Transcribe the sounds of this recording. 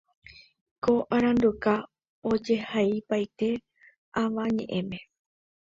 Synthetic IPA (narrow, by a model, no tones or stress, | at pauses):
koʔaɾ̃ãnd̪uka | od͡ʒe̞haipajt̪e̞ | aʋaɲẽ̞̰ʔẽ̞mẽ̞